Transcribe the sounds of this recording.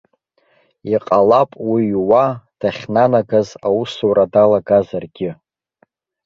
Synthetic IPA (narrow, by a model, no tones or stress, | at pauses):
iqʼalapʼwiwad̥aχʲnanaɡazawusuɾadalaɡazarɡʲɪ